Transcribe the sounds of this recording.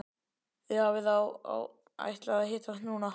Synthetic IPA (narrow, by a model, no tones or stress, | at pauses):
ɪavɪðawa̰w | a̰jht̪laðaɦɪːt̪at̪nuːna